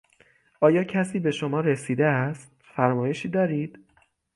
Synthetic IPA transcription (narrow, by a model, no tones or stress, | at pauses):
ʔɒːjɒːcʰæsiːbe̞ʃomɒːɾe̞siːd̪eæst̪ | fæɾmɒːje̞ʃiːd̪ɒːɾiːd̪̥